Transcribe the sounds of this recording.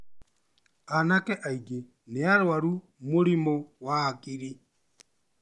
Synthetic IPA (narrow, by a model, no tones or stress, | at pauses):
anakɛʔaiɡe | neaɾwaɾu | moɾimɔwaːkiɾi